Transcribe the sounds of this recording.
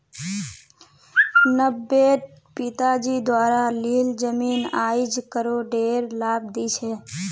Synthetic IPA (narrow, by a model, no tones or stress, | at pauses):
nəbːe | pit̪ad͡ʒid̪waɾalild͡ʒəminajd͡ʒkəɾoɖeɾlab̚d̪it͡ʃʰɛ